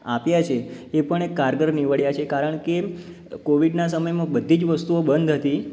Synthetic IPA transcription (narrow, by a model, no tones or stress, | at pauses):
apjat͡ʃʰeepəɳekːaɾɡəɾniʋəɭjat͡ʃʰekaɾəɳke | koʋiɖnas̬əməjmãbəd̪ʱid͡ʒʋəst̪uobənd̪ʱɦət̪i